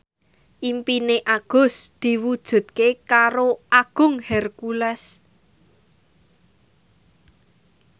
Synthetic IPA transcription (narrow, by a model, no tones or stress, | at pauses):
ʔimpineʔaɡ̥ʊ̤sd̪̥i̤wud̥ʒ̥ṳd̪̚kekaɾoʔaɡ̥ʊ̤ŋhɛrkulɛs